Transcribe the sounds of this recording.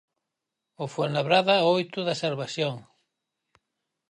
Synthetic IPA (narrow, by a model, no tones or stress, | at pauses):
ofonaβɾaðaojt̪uðaseɾβasjoŋ